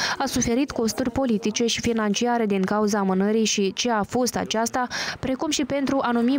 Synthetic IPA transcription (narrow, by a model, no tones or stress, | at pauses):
asufe̞ɾit̪ko̞st̪urʲpo̞lit̪it͡ʃe̞ʃifinant͡ʃiaɾe̞d̪iŋkauzaːmɨnəɾijʃit͡ʃe̞afo̞st̪a̰t͡ʃast̪apɾe̞kumʃipe̞nt̪ɾuʔanumi